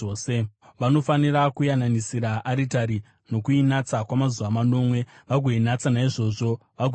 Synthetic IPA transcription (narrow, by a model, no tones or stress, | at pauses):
seʋano̞fanirakujananisiɾaʔaɾitaɾi | no̞kuinat͡sakwamazuʋamano̞ːmwe̞ | ʋaɡʱoinat͡sanaiʐo̞ːʐo̞ | ʋaɡʱ